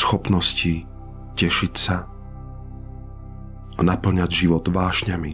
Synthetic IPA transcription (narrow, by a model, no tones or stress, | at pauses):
sxɔpnɔsci | cɛʃicsa | ʔanapl̩ɲaɟʒiʋɔd̪ʋaːʃɲami